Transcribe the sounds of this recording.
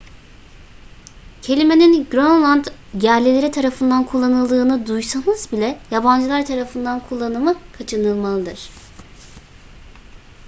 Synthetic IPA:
cʰe̞lʲimeninɡɾonlˠand̪ɟæɾlʲelʲeɾit̪ʰaɾafɯnd̪ankʰulˠːanɯlˠd̪ɯːnɯd̪ujsanɯzbilʲɛjaband͡ʒɯlˠaɾt̪ʰaɾafɯnd̪ankʰulˠːanɯmɯkʰat͡ʃʰɯnɯlˠmalˠɯd̪ɯɾ̝̥

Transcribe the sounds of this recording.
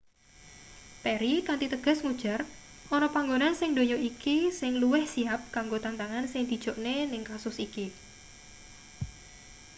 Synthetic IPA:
p̪eɾikant̪it̪əɡ̥ɔ̤smud̥ʒ̥a̤r | ɔnɔpaŋɡonansɪŋd̪o̤ɲoʔikisɪŋluwɪhsiɦap̚kaŋɡot̪ant̪aŋansɪŋd̪̥i̤d̥ʒ̥o̤ʔnenɪŋkasʊsiki

